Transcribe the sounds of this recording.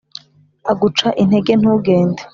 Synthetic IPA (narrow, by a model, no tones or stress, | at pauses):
aɡut͡ʃaʔin̥he̞ɡe̞n̥uːɡe̞ːnde